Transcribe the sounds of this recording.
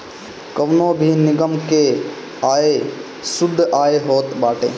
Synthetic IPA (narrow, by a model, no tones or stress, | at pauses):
kəʋnoːbʱinɪɡəmke | aːe | sʊd̪ʱːaːeɦoːt̪baːʈeː